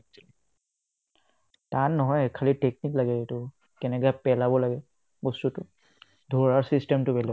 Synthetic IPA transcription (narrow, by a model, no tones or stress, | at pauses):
tannɔɦɔjɛkʰalitek̚niklaɡɛetʊ | kɛnɛɡapɛlabɔlaɡɛ | bɔstutʊ | dʱɔɹaɹsistɛmtʊbɛlɛ